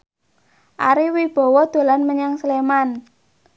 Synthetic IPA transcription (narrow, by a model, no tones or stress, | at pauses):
ʔa̰ɾiwib̥ɔ̤wɔd̪̥o̤lanməɲaŋsəleman